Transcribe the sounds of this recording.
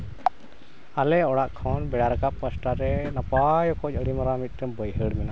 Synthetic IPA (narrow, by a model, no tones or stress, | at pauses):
alɛɔɽaʔkʰɔnbɛɽaɾakap̚kəsʈaɾɛnapajɔkɔc̚ˀəɽimaɾamit̪̚ˀt̪ɛmbəjɦəɽmɛna